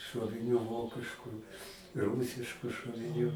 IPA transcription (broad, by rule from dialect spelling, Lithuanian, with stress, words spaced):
ʃuɔʋʲɪˈnʲuː ˈʋoːkʲɪʃkuː ˈruːsʲɪʃkuː ʃoːʋʲɪˈnʲuː